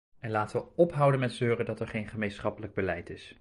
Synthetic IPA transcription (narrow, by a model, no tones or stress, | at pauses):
ɛnlaːtəʋəɔpɦʌwdənmɛtzøːrədɑtɛɹχejnχəmejnsχɑpələɡ̚bəlɛjtɪs